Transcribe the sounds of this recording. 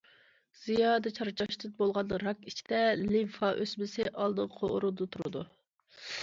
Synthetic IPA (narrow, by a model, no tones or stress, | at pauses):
z̥ijɑːd̪ɨt͡ʃʰɑɾt͡ʃʰɑʃt̪ʰɪt̪̚bolˠʁɑnd̪əɾɑkit͡ʃʰid̪ɛlifɑʔøsmɪsɪʔɑlˠd̪əʁqʰo̰ɾud̪ʊt̪ʰuɾɨ̰d̪u